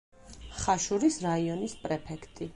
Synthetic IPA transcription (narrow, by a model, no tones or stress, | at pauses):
χaʃuɾisɾaiɔnispʼɾɛpʰɛkʰt̪ʼi